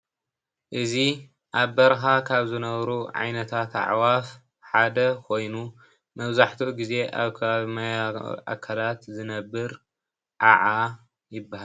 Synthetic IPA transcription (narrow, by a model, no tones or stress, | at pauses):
ʔɨzi | ʔaβbɐɾxakʰaβzɨnɐβɾuʕa̰jnɐt̪ʰat̪a̰ʕwaf | ħad̪ɐkʰo̞jnu | mɐβzaħt̪ʰuʔɡize̞ʔa̰βkʰɐβaβmajʔa̰kʰalat̪zɨnɐbːɨɾ | ʔaʕa | jɪbːahal